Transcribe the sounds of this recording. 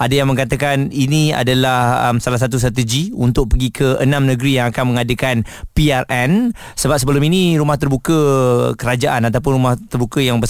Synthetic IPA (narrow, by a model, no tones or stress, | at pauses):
adajaŋmə̃ŋkat̪akaninĩa̰dalahə̰msalasat̪̬us̬t̪ɾat̪əd͡ʒiunt̪ʊk̚pəɡikʰəənãmnəɡɾijaŋakanmə̃ŋadəkan | piarɛn | səbap̚səbəlʊminĩɾumaht̪ərbukəkəɾad͡ʒaʔanat̪awp̬ʊnɾumaht̪ərbukəjaŋbə